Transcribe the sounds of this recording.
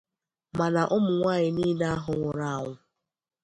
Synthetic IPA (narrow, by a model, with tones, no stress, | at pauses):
ma˨na˨ʔʊ˦mʊ˨ŋʷaː˦˨ɲɪ˨niː˦na˦a˦ɦʊ˨ŋʷʊ˨ɾa˦a˨ŋʷʊ˨